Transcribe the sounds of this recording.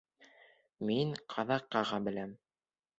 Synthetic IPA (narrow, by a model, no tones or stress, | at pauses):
miŋqʰɑðɑqːɑʁɑbɘ̆læm